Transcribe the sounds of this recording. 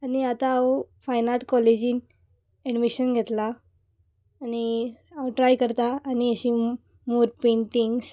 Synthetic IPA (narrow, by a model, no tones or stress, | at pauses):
aniat̪aːfajnaʈkɔled͡ʑiːn | eɖmiɕənɡʱet̪la | ni | awʈɾajkəɾt̪aːniəɕi | moɾpẽɳʈiŋɡs